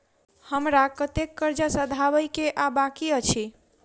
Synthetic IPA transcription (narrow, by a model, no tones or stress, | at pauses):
həmɾakət̪ekːəɾd͡ʒasəd̪ʱabəjkeʔabakiət͡ʃʰi